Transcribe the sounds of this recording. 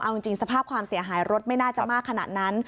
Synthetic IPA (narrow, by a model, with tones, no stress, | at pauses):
ʔa˧wt͡ɕi˧ŋt͡ɕi˧ŋsa˧pʰaː˥˩p̚kʰwaː˧msi˨˩˦ɦaː˩˦jɾo˦˥t̪̚ma˥˩jnaː˥˩t͡ɕa˨˩maː˥˩kʰːa˧na̰˨˩t̪̚na˦˥n